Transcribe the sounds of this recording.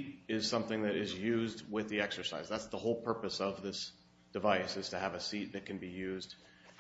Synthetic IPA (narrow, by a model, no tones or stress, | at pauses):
ɾɪz̥sʌ̃mθɪ̃ŋðɨɾɪzjʉzd̚wɪðiɛksə˞saɪzðætsðəhoʊlˠpʰɜ˞pɨsʌvðɪs | d̥ɨvaɪsɨz̥tʰɨəvɨsit̪̚ðɨt̚kʰɨ̃n̩bijʉzd̥